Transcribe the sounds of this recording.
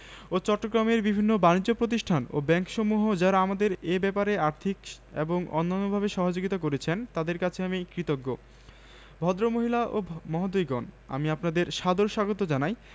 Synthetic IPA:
ot͡ɕɔʈːoɡɾameɾbibʱinːobanid͡ʑd͡ʑopɾot̪̬iʃʈʰano̰bɛŋkʃɔmuɦod͡ʑaɾaamad̪eɾebɛpaɾeaɾt̪ʰik | ḛboŋɔ̰nːanːobʱabeʃɔɦod͡ʑoɡit̪ak̬oɾet͡ɕʰent̪ad̪eɾkat͡ɕʰeamikɾit̪oɡːo | bʱɔd̪ɾomoɦilaʔomɔɦad̪ojɡɔna̰miapnad̪eɾʃad̪oɾʃaɡot̪̬od͡ʑanaj

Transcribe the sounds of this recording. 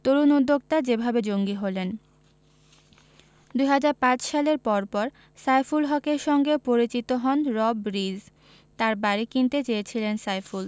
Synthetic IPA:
t̪oɾunud̪ʱːok̚t̪ad͡ʑebʱabed͡ʑoŋɡiɦolen | d̪ujɦad͡ʑaɾpãt͡ɕʃaleɾpɔɾpɔɾ | sajfulɦɔkeɾʃɔŋɡepoɾit͡ɕit̪oɦɔnɾɔbɾiz | t̪aɾbaɾikint̪et͡ɕeet͡ɕʰilensajful

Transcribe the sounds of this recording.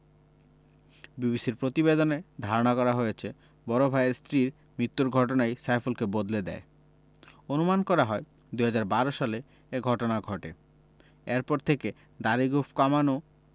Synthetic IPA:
bibisiɾpɾot̪ibed̪oned̪ʱaɾonakɔɾaɦojet͡ɕʰe | bɔɾobʱaeɾst̪ɾiɾ | mɾit̪ːuɾɡʱɔʈ̬onajsajfulkebod̪led̪ɛ̰e | onumankɔɾaɦɔe | d̪uɦad͡ʑaɾbaɾoʃale | eɡʱɔʈonaɡʱɔʈḛ | eɾpɔɾt̪ʰeke | d̪aɾiɡofkamano

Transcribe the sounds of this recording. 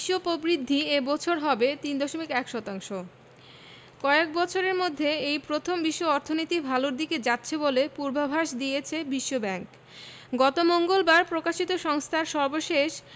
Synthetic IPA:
ʃːopobɾid̪ʱːiebɔt͡ɕʰoɾɦɔbet̪ind̪ɔʃomikɛkʃɔt̪aŋʃo | kɔek̚bɔt͡ɕʰoɾeɾmod̪ʱːeejpɾot̪ʰombiʃːoɔɾt̪ʰonit̪ibʱaloɾd̪iked͡ʑatːɕʰebolepuɾbabʱaʃd̪ijet͡ɕʰebiʃːobɛŋk | ɡɔt̪omoŋɡolbaɾpɾokaʃit̪oʃɔŋst̪ʰaɾʃɔɾboʃeʃ

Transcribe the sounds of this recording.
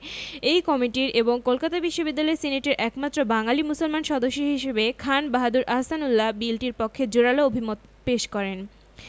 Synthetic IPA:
ejkɔmiʈiɾeboŋkolkat̪abiʃːobid̪ːalɔesineʈeɾʔɛkmat̪ːɾobaŋalimusolmanʃɔd̪oʃːoɦiʃebekʰanbaɦad̪uɾʔaɦsanulːabilʈiɾpokʰːed͡ʑoɽaloobʱimot̪ | peʃkɔɾen

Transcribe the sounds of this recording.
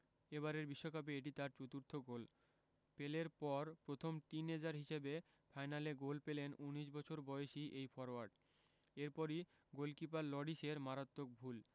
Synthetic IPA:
eβaɾeɾbiʃːokap̬eeʈ̬it̪aɾt͡ɕot̪uɾt̪ʰoɡol | peleɾpɔɾpɾot̪ʰomʈ̪ined͡ʑaɾɦiʃebe | fʰajnaleɡolpelenuniʃbɔt͡ɕʰoɾbɔeeʃiʔejfɔɾoaɾɖ | eɾpɔɾi | ɡolkipaɾlɔɽiʃeɾmaɾat̪ːok̚bʱul

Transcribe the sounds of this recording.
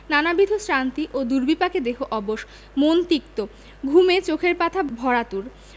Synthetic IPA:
nanabɾid̪ʱosɾant̪iʔod̪uɾbipaked̪eɦʰoʔɔboʃ | mont̪ikt̪o | ɡʱumet͡ɕokʰeɾpat̪ʰabʱɔɾat̪uɾ

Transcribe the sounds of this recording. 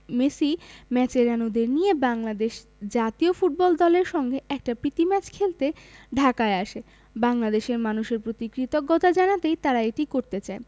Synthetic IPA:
mesimɛt͡ɕeɾanud̪eɾnijebaŋlad̪eʃ | d͡ʑat̪iofuʈ̚bɔld̪ɔleɾʃɔŋɡeʔɛk̚ʈapɾit̪imɛt͡ɕkʰelt̪eɖʱakaeaʃe | baŋlad̪eʃeɾmanuʃeɾpɾot̪ikɾit̪oɡːɔt̪ʰad͡ʑanat̪ejt̪aɾaeʈikoɾt̪et͡ɕae

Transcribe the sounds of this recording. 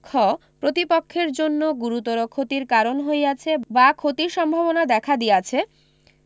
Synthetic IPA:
kʰɔpɾot̪ipokʰːeɾd͡ʑonːoɡuɾut̪oɾokʰot̪iɾkaɾonɦojat͡ɕʰebakʰot̪iɾʃɔmbʱabonad̪ɛkʰad̪ijat͡ɕʰe

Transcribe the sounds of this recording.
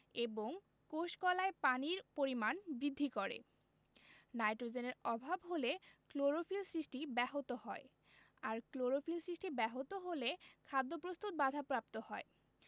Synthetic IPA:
eboŋ | koʃkɔlaepaniɾpoɾimanbɾid̪ʱːikoɾḛ | najʈɾod͡ʑeneɾɔbʱabɦolekloɾofilsɾiʃʈibɛɦot̪ohɔe | aɾkloɾofilsɾiʃʈibɛɦot̪oɦolekʰad̪ːopɾost̪ut̪̚bad̪ʱapɾap̚t̪ohɔe

